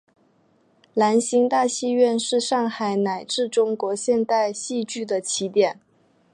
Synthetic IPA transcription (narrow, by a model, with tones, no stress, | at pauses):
la˧˥nɕi˧˥ŋt̪a˥˧ɕi˥˧ɥɛ˥˧nʂɻ̩˥˧ʂɑ˥˩ŋxa˨˩ɪna˨˩ɪʈ͡ʂɻ̩˥˩ʈ͡ʂʊ˥ŋkwɔ˧˥ɕjɛ˥˧nt̪a˥˧ɪɕi˥˧t͡ɕy˥˩d̪ə˩t͡ɕʰi˧˥t̪jɛ˨˩˦n